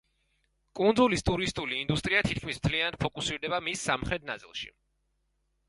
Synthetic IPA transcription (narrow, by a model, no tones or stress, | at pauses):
kʼund̪zulist̪ʼuɾist̪ʼuliːnd̪ust̪ʼɾiat̪ʰit̪̚kʰmismt̪ʰlianad̪̥̚pʰɔkʼusiɾd̪ɛbamisːamχɾɛt̪̚na̰t̪sʼḭlˠʃḭ